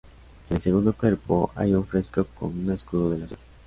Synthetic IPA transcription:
else̞ɣund̪o̞kwe̞ɾpo̞a̰juɱfɾe̞skoko̞̰nuneskuðoðe̞las

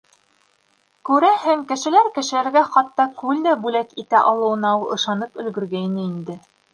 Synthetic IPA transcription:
kʉɾæhæŋkɘ̆ʃɘ̆læɾkɘ̆ʃɘ̆læɾɡæχɑt̪ːɑkʉld̪æbʉlækit̪æʔɑlˠɤ̆wɤ̆nɑwɤɤ̆ʃɑnɤpɵ̆lɡɵ̆ɾɡæjnɘind̪ɘ

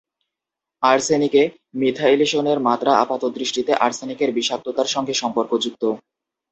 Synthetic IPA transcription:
aɾsenike | mid̪ʱaileʃoneɾmat̪ɾaapat̪ot̪d̪ɾiʃʈit̪eʔaɾsenikeɾbiʃak̚t̪ot̪aɾʃɔŋɡeʃɔmpoɾkod͡ʑuk̚t̪o

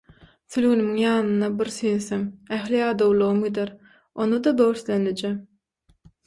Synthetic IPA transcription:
sylɣynymiŋjɑːnɯnːɑbiɾsyjnθemæxliɑːd̪owlˠuʁɯmɡid̪eɾ | onud̪ɑd̪owɾθlʲenled͡ʒem

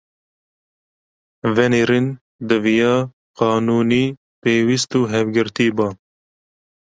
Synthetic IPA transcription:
vɛniɾin | d̪ɨvijɑː | qɑːnuːniː | peːwist̪uːɦɛvɡɨɾt̪iːbɑː

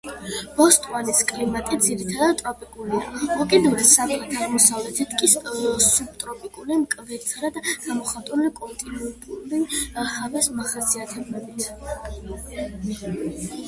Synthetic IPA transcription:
b̥ɔst̪ʼwaniskʼlimat̪ʼid̪ziɾit̪ʰad̪ad̪̚t̪ʼɾɔpʼikʼulia̰mɔkʼid̪uɾɛsapʼlit̪ʰaʁmɔsavlɛt̪ʰɛt̪ʰkʼisub̚t̪ʼɾɔpʼikʼulimkʼvɛsʰɾad̪ɡ̥amɔχat̪ʼulikʼɔnt̪ʼinɛnt̪ʼulihavɛsmaχasiat̪ʰɛblɛbit̪ʰ

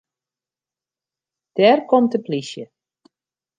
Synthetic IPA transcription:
d̥ɛrkɔmtəplisjə

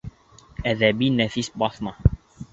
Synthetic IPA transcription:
æðæbinæfisbɑθmɑ

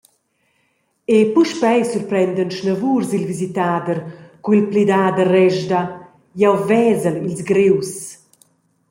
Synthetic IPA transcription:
epuʃpɛjsurpɾɛnd̪ənʃnəvuːrzilvizit̪aːd̪ərkuilplid̪aːd̪ərɛʒd̪a | jawvɛːzəlilzɡɾews

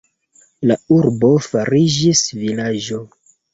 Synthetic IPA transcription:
lauɾbo̞faɾid͡ʒisvilad͡ʒo

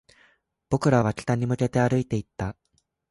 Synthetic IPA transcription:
b̥o̞kɯ̟ɾaβ̞akʲi̥t̪aɲ̟imɯ̟ke̞t̪e̞aɾɯ̟it̪e̞it̪ːa

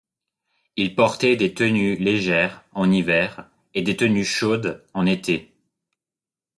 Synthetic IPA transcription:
ilpɔʁt̪ɛd̪et̪ənyleʒɛʁɑ̃nivɛʁ | ed̪et̪ənyʃod̪ɑ̃net̪e

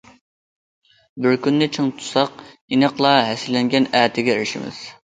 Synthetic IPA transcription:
bɪɾkʲynːɪt͡ʃʰiŋt̪ʰu̥sɑq | inəqlˠɑɦɛsɪlːɛŋɡʲɛnæːt̪ʰɪɡʲɛɾɪʃɪ̰mɪ̰z̥

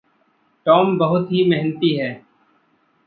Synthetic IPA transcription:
ʈɔːmbɐɦʊt̪ɦimɛɦnət̪iɦɛː

